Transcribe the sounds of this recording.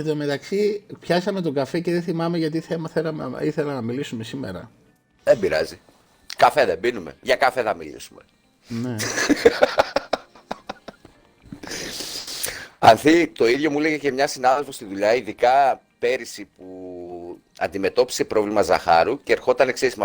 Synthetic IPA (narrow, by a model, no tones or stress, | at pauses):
et̪ome̞t̪ɐksipçɐsɐme̞t̪o̞ɡɐfe̞ce̞ðeθimɐme̞ʝɐt̪̬iθemɐθelɐm̰iθe̞lɐnɐmilisume̞simeɾɐ̰ | ðembiɾɐzi | kɐfe̞ðebinume̞̰ʝɐkɐfe̞θɐmḭlḭsume̞ | ne | ɐnθit̪o̞iðʝo̞muleɣece̞mɲɐsinɐðelfo̞st̪iðuʎɐiðikɐ | pe̞ɾisipu | ɐ̰nd̪ime̞t̪o̞pi̥se̞pɾo̞vlimɐzɐ̰xɐ̰ɾuceːɾxo̞t̪ɐnekseismɐ